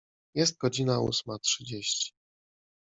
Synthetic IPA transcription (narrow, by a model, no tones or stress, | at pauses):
jɛst̪̚ɡɔd͡ʑinaṵsmatʂɘd͡ʑeɕt͡ɕi̥